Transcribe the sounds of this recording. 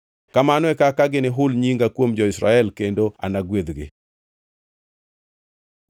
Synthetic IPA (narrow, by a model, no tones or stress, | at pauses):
kamanɔɛkakaɡɪnɪɦʊlɲiŋɡakwomd͡ʒɔɪsɾa̰ɛlkendoa̰naɡwed̪ɡɪ̰